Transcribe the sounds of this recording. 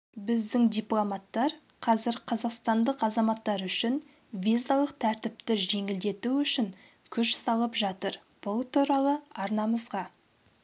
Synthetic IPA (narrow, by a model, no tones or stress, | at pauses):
bɪzd̪ɪŋd̪ijplˠomɑt̪ːɑɾqʰɑzɪɾqʰɑzɑqst̪ɑnd̪əqɑzɑmɑt̪ːɑɾʏʃɪn | vʲizalˠəq̚t̪ʰæɾt̪ɪp̚t̪ɪʒe̞ŋɪld̪e̞t̪uʏʃɪŋ | kʲʰʏʃsɑlˠəpʒɑt̪əɾ | b̥ʊlˠt̪ʰuɾɑlˠəɑɾnɑməzʁɑ